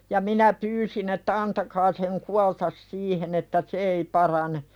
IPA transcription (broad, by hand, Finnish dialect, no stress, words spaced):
jɑ minæ pyːsin etːæ ɑntɑkɑː seŋ kuɑltɑs siːhen etːæ se ei pɑrɑne